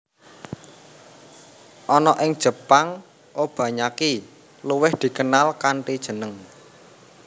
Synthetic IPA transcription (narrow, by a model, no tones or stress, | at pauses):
ʔɔnɔʔɪŋd̥ʒ̥ə̤paŋ | ʔob̥ä̤ɲaki | luwɪhd̪̥i̤kənalkaɳʈid̥ʒ̥ə̤nəŋ